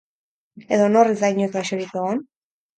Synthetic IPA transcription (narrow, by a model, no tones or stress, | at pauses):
e̞ðono̞rezd̪ajɲuekɾaʃoɾike̞ɣ̞on